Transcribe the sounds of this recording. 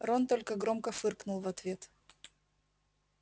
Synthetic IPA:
ront̪olʲkəɡɾo̞mkəfɨrknʊlˠvɐt̪vʲe̞t̪

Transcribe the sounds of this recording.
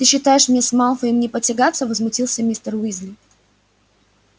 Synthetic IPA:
t̪ɨɕːɪt̪ajɪʂmnʲesmalˠfəimnʲɪpətʲɪɡat̪səvəzmʊtʲilˠsʲəmʲist̪ərwizʲlʲɪ

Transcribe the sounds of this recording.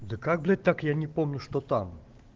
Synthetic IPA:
d̪ɨkaɡblʲɛt̪̚ʲt̪akjanʲɛpomnʲuʂt̪ɔt̪am

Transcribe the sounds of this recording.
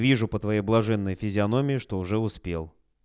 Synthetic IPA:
vʲiʐʊpət̪vɐjejblˠɐʐɛnːəjfʲɪzʲɪɐnomʲɪɪʂt̪oʊʐɛʊspʲelˠ

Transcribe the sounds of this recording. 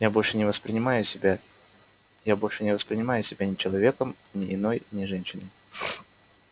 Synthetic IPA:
jabo̞lʲʂɨnʲɪvəspɾʲɪnʲɪmajʊsʲɪbʲa | jabolʲʂɨnʲɪvəspɾʲɪnʲɪmajʊsʲɪbʲanʲɪt͡ɕɪlˠɐvʲe̞kəm | nʲɪʔɪno̞jnʲɪʐɛnʲɕɪnʲɪ

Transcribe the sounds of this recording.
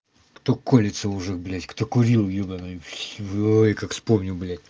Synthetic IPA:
kt̪okolʲɪt̪səʊʐɨxblʲætʲkt̪okʊɾʲilˠjobɐnɐifsʲvojkakfspomnʲɪblʲætʲ

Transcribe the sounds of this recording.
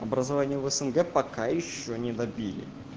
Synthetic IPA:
ɐbɾəzɐvanʲɪjʊvəsənɡɛpɐkajɪɕːonʲɪd̪ɐbʲilʲɪ̰

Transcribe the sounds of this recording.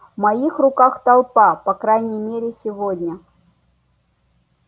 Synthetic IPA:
mɐixrʊkaxt̪ɐlˠpapɐkɾajnʲɪjmʲeɾʲɪsʲɪvodʲnʲə

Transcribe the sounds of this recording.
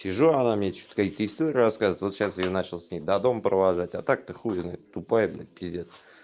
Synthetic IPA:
sʲɪʐuanamnʲet͡ɕo̥t̪kakʲit̪əɪst̪oɾʲɪraskazəvəɪt̪vo̞t̪ɕasɪjonat͡ɕɪlˠsʲnʲejd̪ad̪o̞mpɾəlaʐatʲat̪ak̚t̪ɨxuɪznat̪ʊpajbna̰pʲɪzʲet̪

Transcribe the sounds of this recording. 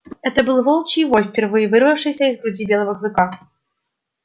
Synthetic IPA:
ɛt̪əbɨlˠvolˠt͡ɕijvojfʲpʲɪrvɨjəvɨrvɐfʂɨjsʲɐizɡɾʊdʲibʲelˠɐvəklˠɨka

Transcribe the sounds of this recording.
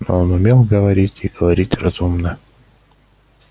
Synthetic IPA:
no̰onʊmʲelˠɡəvɐɾʲitʲiɡ̥əvɐɾʲitʲrɐz̥umnə

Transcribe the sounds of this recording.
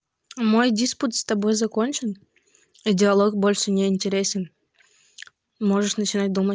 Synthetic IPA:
mo̞jdʲisput̪st̪ɐbojzɐkonʲt͡ɕɪn | idʲɪɐlˠok̚bolʲʂənʲeinʲtʲeɾʲesʲɪn | moʐəʂnət͡ɕɪnat̚ʲd̪umə

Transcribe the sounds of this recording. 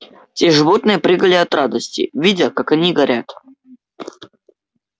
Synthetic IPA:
tʲeʐɨvo̞t̪nɨjəpɾʲɨɡəlʲɪɐt̪rad̪əsʲtʲɪ̰vʲidʲəkakɐnʲiɡɐɾʲat̪

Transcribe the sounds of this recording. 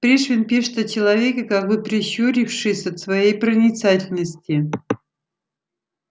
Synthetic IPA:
pɾʲeʂvʲɪnpʲiʂt̪ət͡ɕɪlˠɐvʲekʲəkak̚bɨpɾʲɪɕːoɾʲɪfʂɨsʲɐt̪svɐjejpɾənʲɪt̪satʲɪlʲnəsʲtʲɪ

